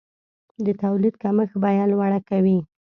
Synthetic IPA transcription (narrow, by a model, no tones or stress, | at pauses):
d̪ət̪awlid̪̚kaməxbajɑlwaɽakawi